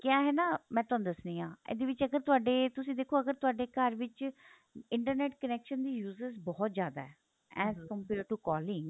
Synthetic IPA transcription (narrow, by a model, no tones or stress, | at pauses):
kjãːɦɛːnaːmɛ̃ːt̪ʊaːnũd̪əsniːãːḛːd̪eːʋɪt͡ʃəɡəɾt̪ʊaːɖeːt̪ʊsĩːd̪eːkʰːoːəɡəɾt̪ʊaːɖeːkəɾʋɪt͡ʃ | ɪ̃ɳʈəɾnɛːʈkənɛːkʃənd̪iːjuːzəɾzbɔːt̪zjaːd̪a̰ːɛː | ɛːzkəmpiːɾəɾʈuːkɔːlɪ̃ŋɡ